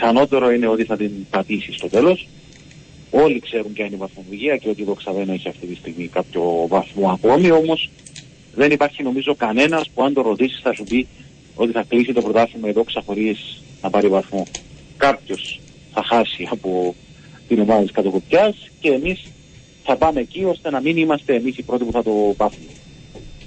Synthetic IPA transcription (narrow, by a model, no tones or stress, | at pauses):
θɐno̞t̪e̞ɾoine̞o̞t̪iθɐt̪inpɐt̪isist̪o̞t̪e̞lo̞s | o̞likse̞ɾuɲcɐinivɐθmoluʝiɐce̞o̞t̪̬ieðo̞ksɐðenoiçiɐft̪it̪ist̪iɣmikɐpço̞vɐθmo̞ɐko̞mio̞mo̞s | ðe̞nipɐɾçino̞mizo̞kɐne̞nɐspuɐnd̪o̞ɾo̞t̪isi̥sθɐsupi | o̞t̪iθɐklisit̪o̞pɾo̞t̪ɐθimɐeðo̞ksɐxo̞ɾisnɐpɐɾivɐθmo̞ | kapço̞s | θɐxɐsiɐpo̞ | t̪ino̞mɐðɐt̪iskɐt̪o̞ko̞pçɐsce̞ːmis | θɐpɐmecio̞st̪e̞nɐminimɐst̪e̞ːmisipɾo̞t̪ipuθɐt̪o̞pɐfum